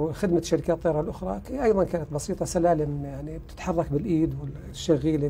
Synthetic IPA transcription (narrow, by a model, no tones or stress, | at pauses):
xɪd̪maʃaɾɪkaːt̪ˤːɑɾˤɑlʔʊxɾˤɑ̰kʔɑjðˤɑnkaːnat̪̚bɑsiːt̪ˤɑsalaːlɪmjaʕnib̚t̪ɪ̥t̪ħɑrˤːɑkbɪlʔiːd̪wɪ | ʃːaɣiːle